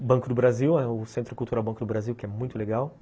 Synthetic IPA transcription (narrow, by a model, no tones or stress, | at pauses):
bɐ̃ŋkʊd̪ʊbɾaziwɛʊsẽnt̪ɾʊkult̪uɾawbɐ̃kʊd̪ʊbɾaziwkɪɛmũj̃t̪ʊleɡaw